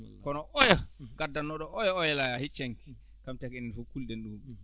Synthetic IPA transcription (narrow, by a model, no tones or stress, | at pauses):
kɔnɔʔɔjaɡadːanːɔɗɔɔjɔɔjalajahit͡ʃaŋki̥ | kamtakɛninfukuldɛnɗum